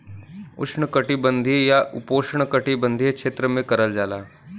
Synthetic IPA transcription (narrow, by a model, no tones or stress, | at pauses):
ʊ̰ʃɳəkəʈibə̃nd̪ʱijaʔʊpoːʃɳ̃kəʈibə̃nd̪ʱiekʃeːt̪ɾəmẽkɐɾəld͡ʒaːla̰ː